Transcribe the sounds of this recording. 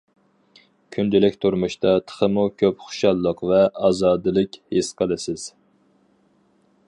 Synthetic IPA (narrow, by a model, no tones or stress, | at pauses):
kʲʰynd̪ɪlɪkʲt̪ʰuɾmuʃt̪ɑt̪ʰə̥χəmukʲʰøpχʊ̥ʃɑlˠːəqvɛɑːzɑːd̪ɨlˠɨkʲhesqʰəlˠɨsɪz̥